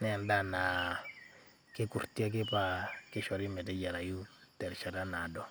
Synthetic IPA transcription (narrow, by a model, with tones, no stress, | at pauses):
nɛ˦˨nda˦na˨ | ke˦ku˨ɾti˦a˦k̬ɪ˦pa˨kɪ˦ʃɔ˨ɾi˦mɛ˨tɛ˦ɟa˨ɾa˨ju˦tɛ˨ɾʃa˨ɾa˦na˨dɔ˦